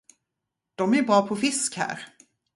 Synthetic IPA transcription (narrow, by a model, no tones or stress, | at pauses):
d̪̥ɔmæɾbɾɑːpʰɔfɪskhæ̰ːɾ